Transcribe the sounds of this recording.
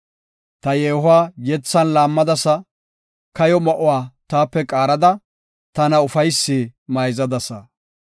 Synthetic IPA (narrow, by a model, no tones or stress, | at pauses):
t̪ɐjeːɦʊwaːjɛt͡sːɐnlaːmːɐd̪ɐsɐ | kɐjɔmɐʔʊwaːt̪aːpːɛkʼaːɾɐd̪ɐ | t̪ɐnɐʊfɐjsːiːmɐjzɐd̪ɐsɐ̰